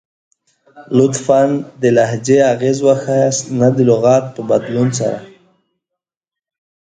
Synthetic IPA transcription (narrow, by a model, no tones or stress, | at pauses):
lʊt̪fand̪əlahd͡ʒeaɣezwaxajasnad̪əlʊɣɑt̪̚pəbad̪lunsa̰ɾa̰